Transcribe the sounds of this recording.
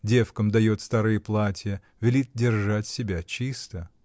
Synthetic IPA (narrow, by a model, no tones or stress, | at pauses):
dʲe̞fkəmd̪ɐjot̪st̪aɾɨjəplˠatʲɪjə | vʲɪlʲit̪̚dʲɪrʐatʲsʲɪbʲat͡ɕist̪ə